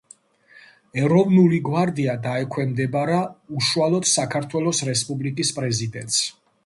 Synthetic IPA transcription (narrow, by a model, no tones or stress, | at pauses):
ɛɾɔvnuliɡwaɾd̪iad̪aɛkʰwɛmd̪ɛbaɾauʃuwalˠɔd̪̥sakʰaɾt̪ʰwɛlˠɔsɾɛspʼublikʼispʼɾɛzid̪ɛnt̪s